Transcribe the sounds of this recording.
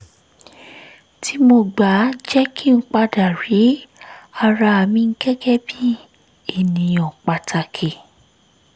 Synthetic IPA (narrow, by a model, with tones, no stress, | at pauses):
tʰi˨˦mo˧ɡ͡ba˨˦d͡ʒɛ˦kʰi˦ŋ̩˦k͡pa˧da˨ɾi˨˦a˧ɾa˧a˧mĩ˧ŋ̩˦ɡɛ˦ɡɛ˦bi˦ | e˦˨nĩ˨ɔ̃˨k͡pa˨tʰa˨kʰe˨